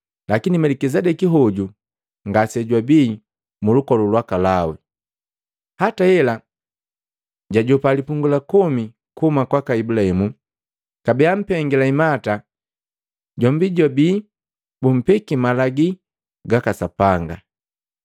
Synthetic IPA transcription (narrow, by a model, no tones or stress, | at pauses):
lakinimɛlɛkizɛdɛkiɦɔɟu | ŋɡasɛɟwabiː | mulukɔlulwakalawɛ | hataɛla | ɟaɟɔpalipuŋɡulakɔmi | kuumakwakaibulahɛmu | kabɛam̩pɛŋɡilaimata | ɟɔmbiɟabiː | bum̩pɛkimalaɡi | ɡakasapaŋɡa